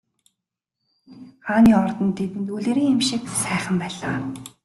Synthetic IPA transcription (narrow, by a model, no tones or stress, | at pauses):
χaːniːɔrt̪ɞ̆nt̪ʰet̪ɘ̆nt̪uɮeːɾiːŋemʃɪ̆ksæːχə̆mpæːɮaː